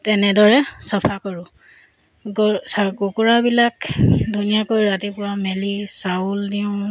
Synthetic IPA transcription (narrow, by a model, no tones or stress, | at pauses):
tɛnɛdɔɹɛsɔpʰakɔɹʊ̃ | ɡsaɡukuɹabilakdʱunijakojɹatipʊɹamelisauldiʊ̃